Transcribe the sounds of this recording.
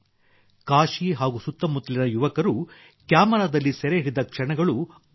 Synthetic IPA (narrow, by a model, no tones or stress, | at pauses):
kaːʃiɦaːɡusut̪ːɐmut̪lɐnɐjuʋɐkɐɾu | kjaːmɐɾaːd̪ɐlːisɛɾeiɾid̪ɐkʂɐɳɐɡɐɭu